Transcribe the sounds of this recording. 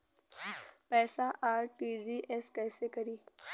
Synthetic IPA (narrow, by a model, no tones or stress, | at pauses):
pɛːsaʔaːɾʈiːd͡ʒiːʔɛskɛːsekɐɾiː